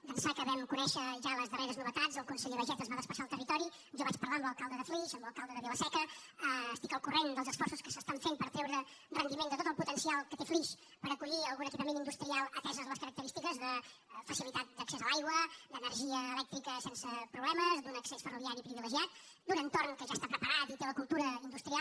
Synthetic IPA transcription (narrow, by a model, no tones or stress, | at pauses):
pənsakəβɛmkunɛʃəʒaləzðəreɾəznuβət̪ad͡zəlˠkunsɛʎəβəʒɛt̪əzβaðəspəsaːlˠt̪ərit̪ɔɾi | ʒɔβat͡ʃpəɾlambəlˠkalˠd̪əðəfliʃəmbəlˠkalˠd̪əðəðewəsɛkəəːst̪i̥kəlˠkurend̪əlˠzəsfɔrsuskəsəst̪aɱfempəɾt̪ɾɛwɾərənd̪imend̪ət̪ot̪əlˠput̪ənsialˠkət̪efliʃ | pəɾəkuʎiəlˠɣunəkipəmenind̪ust̪ɾialˠət̪ɛzəzləskəɾək̚t̪əɾist̪ikəzðəfəsilit̪at̪̚d̪əksezəlajɣwəd̪ənəɾʒiəːlɛk̚t̪ɾikəsɛnsəpɾuβlɛməzd̪unəksɛsfəruβiaɾipɾiβiləʒiat̪̚ | d̪unənt̪oɾŋkəʒast̪apɾəpəɾat̪it̪eləkulˠt̪uɾəind̪ust̪ɾia